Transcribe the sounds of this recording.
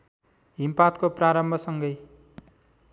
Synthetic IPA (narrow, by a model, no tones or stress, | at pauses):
ɦimpat̪kopraɾʌmbʱʌsʌŋɡʌj